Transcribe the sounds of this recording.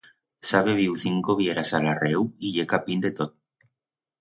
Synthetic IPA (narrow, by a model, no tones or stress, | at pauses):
saβeβ̞iwθiŋkoβjeɾasalarewiʝekapind̪et̪ot̪̚